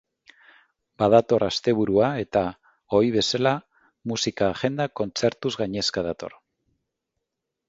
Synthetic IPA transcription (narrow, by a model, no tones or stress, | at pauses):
baðat̪o̞rast̪e̞β̞uɾuae̞t̪a | o̞iβ̞e̞sala | musikaːʝe̞nd̪ako̞nt͡se̞ɾt̪uzɣaɲe̞skað̞at̪o̞̰r